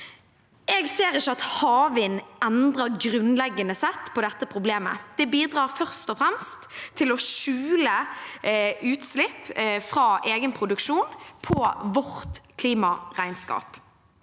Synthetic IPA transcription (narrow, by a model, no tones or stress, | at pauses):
ʔɛːɡseːʁɪçəɑt̪hɑːʋɪnʔɛnd̪ʁɑɾɡʁʉnlɛɡːənəsɛt̪ːpʰɔd̪ɛt̪ːəpʰʁʊbleːmə̰d̪̥ɛbiːd̪ʁɑːʁfœʁst̪ɔfʁɛmst̪ʰːɪlɔʃʉːlə | ʉːt̪slɪpːfʁɑːʔeːɡənpʰʁʊd̪ʉkʃuːnpʰɔʋɔʁt̪kʰliːmɑʁæɪnskɑ̰ːp